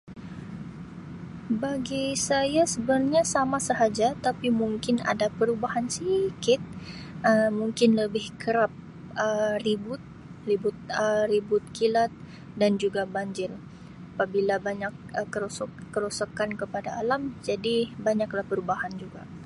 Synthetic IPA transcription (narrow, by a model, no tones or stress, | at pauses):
baɡisajasəbərɲasamasəɦad͡ʒat̪apimuŋkɪna̰dapəɾubahansikɪt̪̚ʔəmuŋkɪnləbɪhkəɾap̚ | əribʊt̪̚ | ribʊt̪̚əribʊt̪̚kilat̪̚ | dand͡ʒuɡabaɲd͡ʒɪr | apabilabaɲak̚əkːəɾosɔkːəɾosɔkankəpadaːlamd͡ʒadibaɲaklahpəɾubahand͡ʒuɡa